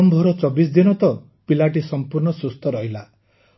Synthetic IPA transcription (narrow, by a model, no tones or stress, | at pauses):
ɔmbʱɔɾɔt͡ʃɔbisd̪inɔt̪ɔ | pilaʈisɔmpuɾɳɔsust̪ɔɾɔɦila